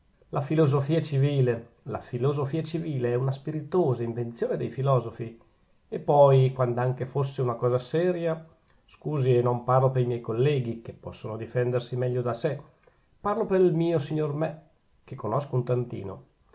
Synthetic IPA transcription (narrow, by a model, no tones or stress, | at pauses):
lʔafilozofiːat͡ʃiviːle | la̰filozofiːat͡ʃiviːleɛunaspiɾit̪oːzaiɱvent̪sjoːned̪ḛjfilɔːzofi | epːɔjkwand̪aŋk̟efosːeunakɔːzasɛːɾja | skuːzienomparlopeɾimjɛjkolːɛːɡikepːɔsːonod̪ifɛnd̪ersimɛʎːod̪ase | parlopeɾilmiːosiɲːormɛ | k̟ekːonoskount̪ant̪ḭːno̰